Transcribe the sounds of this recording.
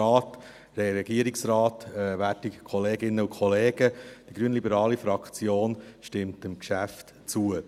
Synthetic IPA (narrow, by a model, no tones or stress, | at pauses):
ɑːt | ɛɾɛɡiəɾiksrɑːtːʋæːtikʰɔleːɡɪnːəukʰχɔleːɡ̥əd̥iɡ̥ɾyːənlibəɾɑːlifɾɑkt͡sjoːnʃtɪmtəmkʃæft | t͡suə